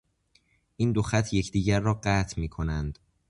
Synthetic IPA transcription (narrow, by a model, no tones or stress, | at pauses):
ʔiːnd̪oxæt̪ʰje̞cʰd̪iːɟæɾːɒːɢæːt̪ʰmiːkʰo̞nænd̪̥